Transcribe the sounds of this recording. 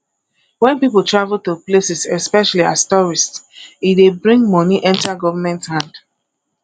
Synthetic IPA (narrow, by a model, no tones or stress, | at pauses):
wɛ̃npipəltɹavl̩toplesisɛspɛʃalia̰stɔɹistsidebɹĩŋɡmɔniʔɛ̃ntaɡɔvamɛ̃nthãnd̥